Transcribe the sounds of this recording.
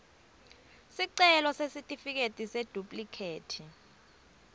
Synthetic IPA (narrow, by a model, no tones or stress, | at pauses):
siǀɛlɔsesitʼifik̬etʼised̥ʱupʼlikʰeːtʰi